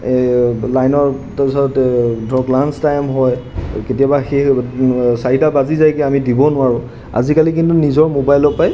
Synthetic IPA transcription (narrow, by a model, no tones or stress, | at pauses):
lajnɔɹtapisɔtɛdʱɔklanstajmɦɔjketijabaxe | saɹidabazizajkɛamidibɔnʊwaɹʊ̃ | a̰zikalik̬intunizɔɹmobajlɔpaj